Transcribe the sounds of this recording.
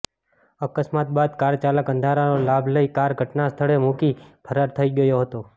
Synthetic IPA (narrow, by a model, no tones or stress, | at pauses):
əkəsmat̪̚bad̪kaɾt͡ʃaləkə̃nd̪ʱaɾanolabʱləikaɾɡʱəʈnast̪ʰəɭemukipʰəɾaɾt̪ʰəiɡəjoɦət̪o